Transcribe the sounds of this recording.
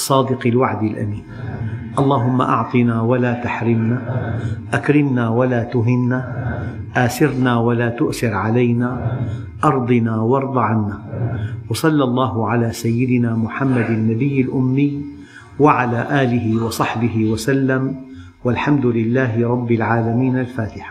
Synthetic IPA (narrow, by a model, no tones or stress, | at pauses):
sˤːɑːd̪ɪqɪlwaʕd̪ɪlʔa̰miːn | ʔɑlˤːɑːɦʊmːa̰ʔɑʕt̪ˤɨnaːwalaːt̪aħɾɪmnaːʔakɾɪmnaːwalaːt̪ʊɦɪnːaːʔaːsɪɾnaːwalaːt̪ʊʔθɪɾʕalajnaː | ʔɑɾˤd̪ˤɨnaːwɑɾˤd̪ˤɑʕanːaːwɑsˤɑlːɑlˤːɑːɦʊʕalaːsajːɪd̪ɪnaːmʊħamːad̪anːabɪjːalʔʊmːɪjː | waʕalaːʔaːlɪɦɪwɑsˤɑħbɪɦɪwasalːam | walħamd̪ʊlɪlːaːɦɪɾˤɑbːɪlʕaːlamiːnalfaːt̪ɪħḁ